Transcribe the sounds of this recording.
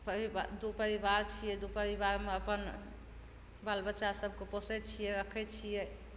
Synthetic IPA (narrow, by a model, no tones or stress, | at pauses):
pəɾibad̪upəɾibaɾt͡ʃʰijɛd̪upəɾiβaɾmeəpən | balbəːt͡ʃasəb̚ʱkeposɛt͡ʃʰijɛɾəkʰɛt͡ʃʰijɛ